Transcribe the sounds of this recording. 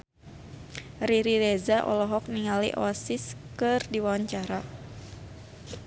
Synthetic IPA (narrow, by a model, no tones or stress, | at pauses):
riɾiɾɛzaʔɔ̰lɔɦɔk̚niŋalḭʔɔsiskɨrdiwawaɲt͡ʃaɾa